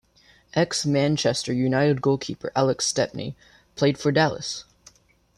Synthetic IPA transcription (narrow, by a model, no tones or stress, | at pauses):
ʔɛksmæ̃nt͡ʃʰɛstə˞jʉnaɪɾɨd̚ɡoʊlˠkʰipə̰˞ʔælˠəkstɛp̚nḭ | pʰl̥eɪd̥fə˞dælˠə̰s